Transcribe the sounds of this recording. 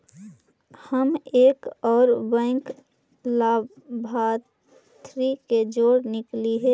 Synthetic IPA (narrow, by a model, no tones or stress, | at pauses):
həmeːkɔːɾbɛ̃ŋk | laː | bʱaː | t̪ʰɾiked͡ʒoːɽnɪkliɦɛ